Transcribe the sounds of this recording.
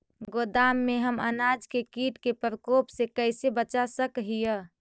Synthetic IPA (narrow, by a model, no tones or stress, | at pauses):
ɡod̪amːeɦəmə̰nad͡ʒkekiʈkepəɾəkopsekəɪsebət͡ʃasəkɦijə